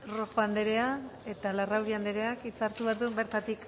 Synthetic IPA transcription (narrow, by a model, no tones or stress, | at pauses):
ro̞fand̪e̞ɾe̞ae̞t̪alarawɾiand̪eɾe̞akit͡saɾt̪uβat̪umbe̞ɾt̪at̪ik